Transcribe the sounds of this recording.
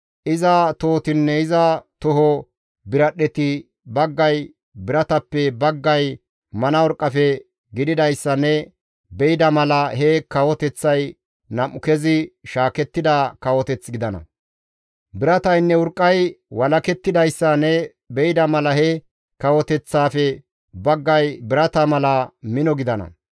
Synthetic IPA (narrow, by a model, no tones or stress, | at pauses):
ʔɪzɐt̪oːt̪ɪnːɛɪzɐt̪ʊɦɔ | bɪɾɐɗɛt̪ɪ | bɐɡːɐj | bɪɾɐt̪ɐpːɛbɐɡːɐj | mɐnɐwɔɾkʼːɐfɛ | ɡɪd̪ɪd̪ɐjsːɐnːɛ | bɛɪd̪ɐmɐlɐhɛkɐwɔt̪ɛt͡sːɐj | nɐmʊkɛzɪʃaːkɛt̪ːɪd̪ɐkɐwɔt̪ɛt͡sːɡɪd̪ɐnɐ̰ | bɪɾɐt̪ɐjnːɛwʊɾkʼːɐjwɐlɐkɛt̪ːɪd̪ɐjsːɐnɛ | bɛjɪd̪ɐmɐlɐhɛ | kɐwɔt̪ɛt͡sːaːfɛ | bɐɡːɐjbɪɾɐt̪ɐmɐlɐmɪnɔɡɪd̪ɐnɐ̰